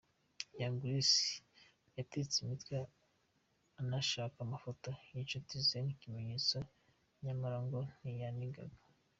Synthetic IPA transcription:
jaŋɡuɾisi̥ | jatet͡simitkwa | naʃaːkamafotojit͡ʃutizenikime̞ɲet͡so | ɲamaɾaŋɡonijaniɡa̰ɡḁ

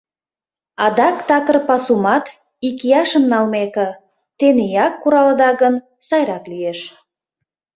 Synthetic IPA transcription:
ɑd̪ɑkt̪ɑkərpɑsumɑt̪ | ikʲijɑʃəmnɑlˠmekə | t̪enijɑkːuɾɑlˠə̆d̪ɑɣən | sɑjɾɑklijeʃ

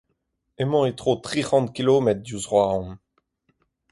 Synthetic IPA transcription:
emɑ̃et̪χoːt̪χiʁɑ̃nt̪kiloːmɛt̪̚d̪uzʁwaːʁɔ̃n

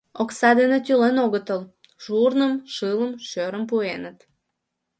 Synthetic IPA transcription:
oksɑd̪enet̪ylenoɣət̪əl | ʒ̥urnəmʃɨləmʃøɾəmp̬uenət̪

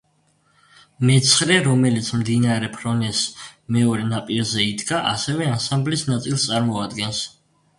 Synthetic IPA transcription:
mɛt̪sʰχɾɛɾɔmɛlit̪sʰmd̪inaɾɛpʰɾɔnɛsmɛɔɾɛnapʼiɾzɛid̪ɡaʔasɛvɛansãmblisnat̪sʼilˠst̪sʼaɾmɔad̪ɡɛns

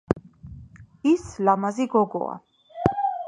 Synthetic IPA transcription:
islamaziɡɔɡɔ̰a̰

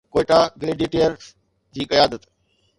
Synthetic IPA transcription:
koːɪʈaːɡɪleːɖiːʈejəɾ | d͡ʑiːkɐjaːd̪ət̪

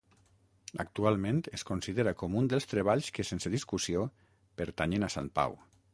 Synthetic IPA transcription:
a̰k̚t̪ualˠmẽnt̪eskunsiðeɾakɔmund̪əlˠst̪ɾeβ̞aʎskesenseðiskusio | peɾt̪aɲenasa̰mpa̰w

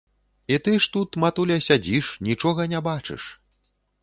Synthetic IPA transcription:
it̪ɨʂt̪ut̪mat̪ulʲɐsʲad͡zʲiʂnʲit͡ʂɔɣɐnʲabat͡ʂɨ̰ʂ

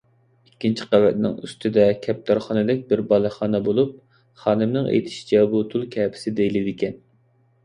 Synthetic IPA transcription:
ikʲːint͡ʃʰi̥qævɛt̪̚nɪ̰ŋy̰st̪ʰɪd̪ɛkʲʰɛp̚t̪ʰɑɾχɑnɨd̪ɪk̚ʲbɪɾbɑlˠɨχɑːnɛbolˠup̚ | χɑːnɨmnɪŋḛjt̪ʰɪ̥ʃt͡ʃʰɛbut̪ʰulˠkʲʰɛːpʰɪ̥sɪd̪ejlɪd̪ɪkʲɛn

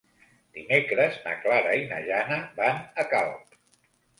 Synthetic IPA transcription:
d̪̥imekɾəzna̰klaɾainaʒanəbanəkalˠp

